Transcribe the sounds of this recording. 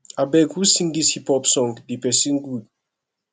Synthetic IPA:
abɛɡhusĩŋdishipɔpsɔ̃ŋdipɛsĩŋɡud̚

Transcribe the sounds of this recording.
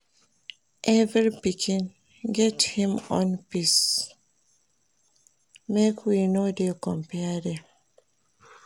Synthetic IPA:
ʔɛvɹipikʰĩn | ɡɛthĩmɔ̃npis | mekwinodekɔ̃mpɛde

